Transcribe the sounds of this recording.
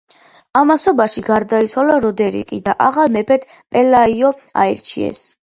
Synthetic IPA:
amasɔbaʃiɡaɾd̪ait̪sʰwalaɾɔd̪ɛɾḭkʼḭd̪aʔaʁalmɛpʰɛt̪ | pʼɛlaiɔa̰ɛɾt͡ʃʰiɛ̰s

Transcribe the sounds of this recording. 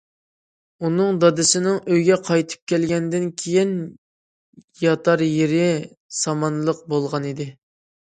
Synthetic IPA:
unɨŋd̪ɑd̪ɨsɪnɪŋøjɡʲɛqʰɑjt̪ʰɨ̥p̚kʲʰɛlɡʲɛnd̪ɪnkʲʰejin | jɑt̪ʰɑɾjeɾɪ | sɑmɑnlˠəq̚bolˠʁɑnid̪ɪ

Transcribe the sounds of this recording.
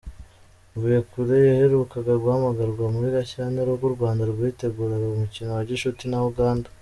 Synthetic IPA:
vujekuɾejahe̞ɾukaɡaɾɡwaːmaɡaɾɡwamuhiɾaçaneɾoɡuɾɡwaːndaɾɡwite̞ɡuːɾaɡaumucinowaɟiʃutinauɡaːndḁ

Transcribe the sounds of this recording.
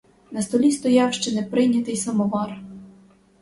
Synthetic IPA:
nɐst̪ɔlʲist̪ɔjɑwʃt͡ʃɛnɛpɾɪjnʲɐt̪ɪjsɐmɔʋɑr

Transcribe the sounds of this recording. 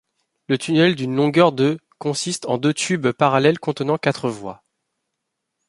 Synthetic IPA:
lət̪ʰynɛld̪ynlɔ̃ɡœʁd̪ø | kɔ̃sist̪ɑ̃d̪øt̪ybpaʁalɛlkɔ̃t̪ənɑ̃kat̪χəvwa̰

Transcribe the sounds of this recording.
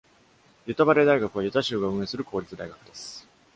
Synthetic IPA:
jɯ̟t̪abaɾe̞d̪aiɡakɯ̟β̞ajɯt̪aɕɯːɡaɯ̟̃ɰ̃e̞sɨɾɯ̟kʰo̞ːɾʲit͡sɨd̪aiɡakɯ̟d̪e̞sɨ̥

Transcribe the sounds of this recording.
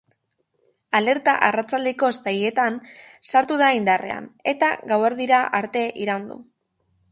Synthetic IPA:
ale̞ɾt̪aʔarat͡sald̪eko̞st̪aje̞t̪an | saɾt̪uð̞aind̪are̞̰a̰ne̞t̪a̰ɣaweɾðiɾaʔaɾt̪e̞ʔiɾawnd̪ṵ

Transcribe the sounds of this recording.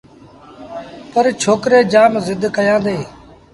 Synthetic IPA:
pəɾt͡ʃʰoːkɾeːd͡ʒaːmzɪd̪ʱkəjãːd̪eː

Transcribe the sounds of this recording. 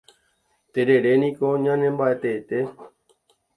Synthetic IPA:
t̪eɾe̞ɾe̞nĩkoɲãnẽmbaʔet̪eːt̪e̞

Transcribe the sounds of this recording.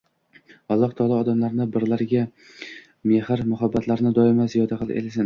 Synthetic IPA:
ɒlˠːɒht̪ʰɒlˠaɒd̪amlaɾnɪbɪɾlaɾɡʲa | me̞hɪɾmʊɦabːat̪ʰlaɾnɪd̪ɒɪmazijɒd̪aqʰɨlˠḛlsɪn

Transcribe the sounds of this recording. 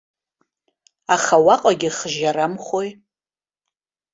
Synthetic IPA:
aχawaqʼaɡʲɪχʒaɾamχʷoj

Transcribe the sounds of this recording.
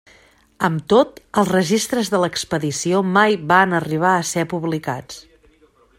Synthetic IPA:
əmt̪ot̪əlˠzrəʒist̪ɾəzðələkspəðisiomajβanəriβ̞aəsɛpuβlikat͡s

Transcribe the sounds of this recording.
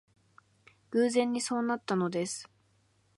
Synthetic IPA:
ɡ̥ɯ̟ːzẽ̞ɲ̟ːiso̞ːnat̪ːano̞d̪e̞sɨ̥

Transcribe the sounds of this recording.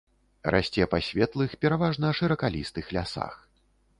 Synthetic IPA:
rʔa̰sʲt͡sʲɛpasʲvʲɛt̪lˠɨxpʲɛɾavaʐnɐʂɨɾɐkalʲist̪ɨxlʲasa̰x

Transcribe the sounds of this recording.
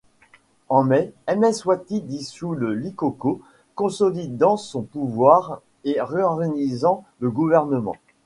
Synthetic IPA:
ɑ̃mɛɛmɛswat̪id̪isuləlikoko | kɔ̃sɔlid̪ɑ̃sɔ̃puvwaʁ | eʁeɔʁɡanizɑ̃ləɡuvɛʁnəmɑ̰̃

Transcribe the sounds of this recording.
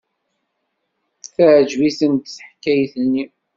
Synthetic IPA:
θæʕd͡ʒviθənt̪səħkːæjθənːi

